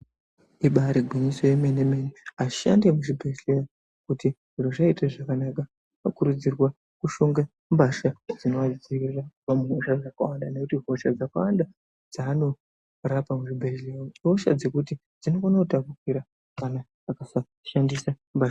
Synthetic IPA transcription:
iɓaɾeɡʱwiɲisojemenemeneaʃa̰ndemuʐibʱeɬeja | kutiʐiroʐaitaʐakanaka | akuɾud͡zirwa | kuʃoŋɡa | mbaʃad͡zino̞ad͡zd͡zirrapamuɦoʃaʐakawandanekutiɦo̞ʃad͡zakawanda | d͡zaːno̞ | rapamuʐibʱelejooʃa̰d͡ze̞kuti | d͡zino̞fanautakukwiɾa | kanaːkasa | ʃandisa | mbaʃa

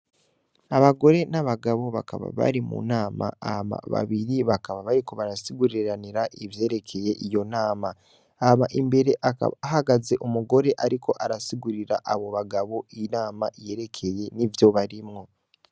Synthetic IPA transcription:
aβaɡo̞ɾe̞naβaɡaβo̞βaka̰βa̰βa̰ɾimṵnaːma̰ahama̰βa̰βiɾiβakaβaβaɾikoβaɾasiɡuɾiɾaniɾaʔivje̞ːɾe̞kʰe̞je̞ʔijo̞naːma | amaʔimbe̞ɾe̞ʔaɦaɡaze̞ʔumuɡo̞ɾe̞ʔaɾikʰo̞ʔaɾasiɡuɾiɾa̰ʔaβo̞βaɡaβo̞inaːmaʔije̞ɾe̞kʰe̞je̞nivjo̞βaɾimŋo̞

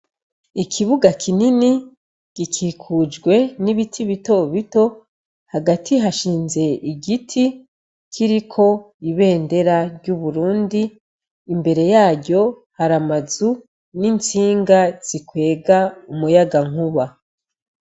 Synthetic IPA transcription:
ikʰiβuɡakʰinini | ɡ̥ikʰiːkʰud͡ʒɡwe̞niβitʰiβito̞βito̞ | haɡatʰiɦaʃiːnze̞ʔiɡitʰi | kʰiɾikʰo̞ | iβe̞ːnde̞ɾaɾɟuβuɾuːndiː | mbe̞ɾe̞jaːɟɟo̞ | haɾamazu | nint͡siːŋɡaz̥ikwe̞ːɡaumujaɡaŋ̥uβa

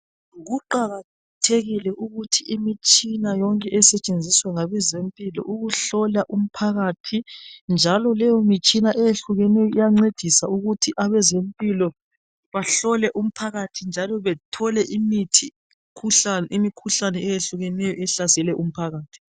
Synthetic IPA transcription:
ɣuǃaɣa | tʰeɣilɛʔuɣutʰiʔimit͡ʃʼinajɔŋkʼɛʔɛsɛt͡ʃʼend͡zʱiswaŋaβɛzempʼilɔ̰ʔuɣuɬɔlaʔum̩pʰaɣatʰind͡ʒʱalɔlɛjɔmit͡ʃʼinaʔɛjeɬuɣɛnɛjɔijaŋ͡ǀed̥ʱisauɣutʰiʔaβɛzempʼilɔ | βaɬɔlɛʔum̩pʰaɣatʰind͡ʒʱalɔβɛtʰɔlɛʔimitʰi | kʰuɬanimikʰuɬanɛɛjeɬuɣɛnɛjɔɛɬasɛlɛʔum̩pʰaɣaːtʰi̥

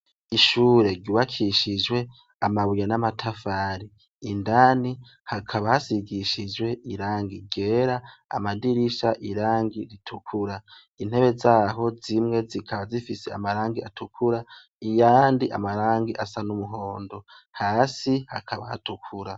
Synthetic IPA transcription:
iʃuːɾe̞ɾɟuβakʰiʃid͡ʒwe̞ | amaβujanamatʰafaːɾiː | ndaːni | hakʰaβahasiɡiʃid͡ʒwe̞ʔiɾaːŋɡiɡe̞ɾa̰ːmadiɾiʃaʔiɾaːŋɡiɾitʰukʰuɾa | in̥he̞βe̞zaːɦo̞zimŋe̞zikʰaβazifise̞a̰maɾaːŋɡia̰tʰukʰuɾa | ijaːndiʔa̰maɾaːŋɡiʔasanumuɦo̞ːndo̞haːsiha̰kʰaβaha̰tukʰuɾa

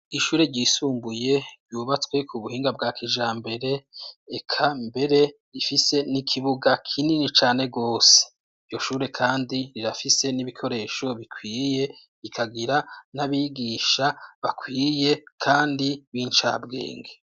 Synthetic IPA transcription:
iʃuːɾe̞ɟiːsuːmbuje̞juːβat͡swe̞kʰuβuhiːŋɡab̚ɡaːkʰiʒaːmbe̞ɾe̞ekʰambe̞ɾe̞ɾifise̞nikʰiβuɡakʰininit͡ʃaːne̞ɡo̞ːse̥ | ivɟo̞ʃuːɾe̞kʰaːndiɾiɾafise̞niβikʰo̞ɾe̞ːʃo̞βikʰwiːje̞ | ɾikʰaɡiɾanaβiːɡiʃaβakʰwiːje̞kʰaːndiβiːnt͡ʃa̰bɡe̞̰ːŋɡe

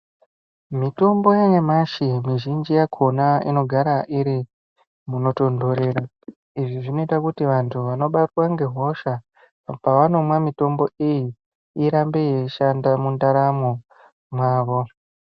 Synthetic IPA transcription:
mito̞mbo̞jaɲamaʃimiʒind͡ʒijakʰonaḭno̞ɡʱaɾaʔiɾi | muno̞to̞ndo̞ɾe̞ɾa | iʐiʐino̞itakutiʋantʰuʋano̞ɓatwaŋɡe̞ɦo̞ʃa | paʋano̞mwamito̞mbo̞iji | iɾambejeʃandamundaɾamo | mwaːʋo̞

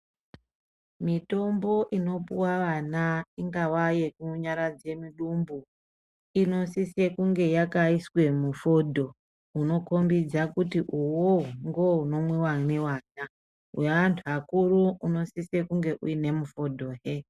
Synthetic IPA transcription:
mito̞mbo̞ʔino̞puwaʋanaiŋɡawajekuɲaɾad͡ze̞miɗumbu | ino̞sise̞kuŋɡe̞jakaiswe̞mufo̞dʱo̞ | uno̞ko̞mbid͡zakutiʔuwoŋɡo̞uno̞mwiwanewaːna | ɦweantʰuakuɾuuno̞sise̞kuŋɡe̞ʔṵine̞mufo̞dʱo̞ːɦe

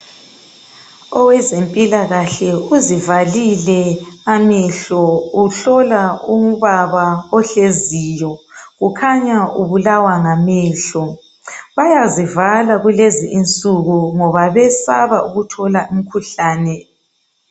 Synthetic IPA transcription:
ɔwɛzempʼilaɣaɬɛuzivalilɛamɛɬɔuɬɔlaum̩βaβaɔɬeziːjɔɣukʰaɲaʔuβulawaŋamɛːɬɔ | βajazivalaɣuleziʔːnt͡sʼuɣuŋɔβaβɛsaβaʔuɣutʰɔlaum̩kʰuɬaːnɛ

